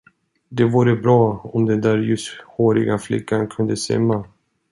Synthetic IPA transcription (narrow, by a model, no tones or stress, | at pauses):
d̪ɛvuːɾəbɾɑːɔmd̪ɛnd̪æːɾjɵshoːɾɪ̰ɡaflɪ̰kːankʰɵnd̪əsɛ̰mːa